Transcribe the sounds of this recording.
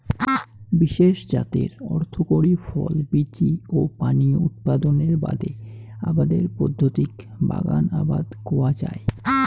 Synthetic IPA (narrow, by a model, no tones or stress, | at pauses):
biʃeʃd͡ʑat̪ḛɾɔɾt̪ʰokoɾifɔlbitiopaniut̪̚pad̪oneɾbad̪eabad̪eɾpɔd̪ʱːot̪ik | ba̰ɡanabad̪kowad͡ʑae